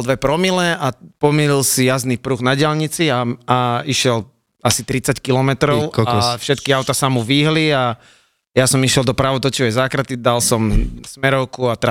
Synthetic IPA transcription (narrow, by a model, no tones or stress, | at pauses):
ld̪ʋɛpɾɔmilɛʔapɔmililsijaznipɾuɣnaɟɪalɲit͡siaaiʃɛl | asit̪ɾit͡sackilɔmɛt̪ɾɔʊafʃɛt̪kiaʊt̪asamuʋiːɦlia | jasɔmiʃɪɛlˠd̪ɔpɾaʋɔt̪ɔt͡ʃiʋɛjzaːkɾat̪id̪alsɔmsmɛɾɔʊkuat̪ɾa